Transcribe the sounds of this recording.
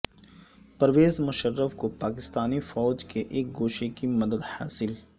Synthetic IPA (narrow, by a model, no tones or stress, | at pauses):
pɐɾʋeːzmʊʃərːəfkopaːkɪst̪aːnifɔːd͡ʒkeʔeːk̚ɡoːʃekimɐd̪əd̪ha̰ːsɪl